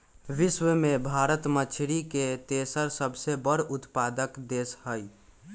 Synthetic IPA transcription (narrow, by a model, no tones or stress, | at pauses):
ʋɪswəmẽbʱaːɾət̪mət͡ʃʰɾiket̪esəɾsəbʱsebəɽʊt̪paːd̪əkd̪eːshəi